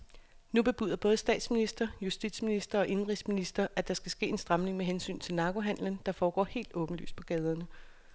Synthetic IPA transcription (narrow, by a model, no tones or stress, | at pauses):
nub̥e̝b̥y̰ːðˠɐb̥ɔ̽ːð̞̩ˠəsd̥ɛ̰ːd̥sminisd̥ɐjusd̥id̥sminisd̥ʁɐɒ̽ʔe̝nʁisminisd̥ɐʔæd̥ɑ̈sɡ̥æsɡ̥e̝̰ːe̝nsd̥ʁɑ̈mne̝ŋmeɦensy̰ːnt͡sʰe̝lnɑ̈ɡ̥o̝ɦæn̰lən̩d̥ɑ̈fɒːɡ̥ɒ̰ːhe̝̰ːld̥ɔ̽ːb̥n̩ly̰ːspʰɒ̽ɡ̥ɛːð̞ˠɐnə